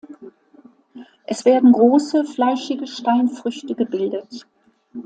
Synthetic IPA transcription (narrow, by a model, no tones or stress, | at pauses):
ʔɛsv̥eːɐdn̩ɡʁoːsəflaɪʃɪɡəʃtaɪnfʁ̥ʏçtəɡəbɪldət